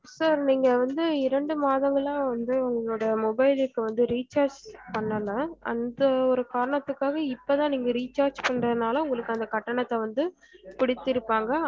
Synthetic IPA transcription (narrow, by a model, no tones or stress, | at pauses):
saːɾniːŋɡɐʋɐnd̪ɯɪɾɐɳɖɯmaːðɐŋɡɐɭãːʋɐnd̪ɯʊŋɡɐɭɐɭoːɽɐmɔbɐɪlɪkːɯʋɐnd̪ɯɾiːt͡ʃaːɾd͡ʒpɐɳːɐlɐɐnd̪ɐɔɾɯkaːɾɐɳɐt̪ːɯkːaːɣɐɪpːot̪ãːniːŋɡɐɾiːt͡ʃaːɾd͡ʒpɐɳːrɐðɯnaːlɐʊŋɡɐɭɯkːɯɐnd̪ɐkɐʈːɐɳɐt̪ːɛʋɐnd̪ɯ | pɪɽɪt̪ːɪɾɯpːaːŋɡɐ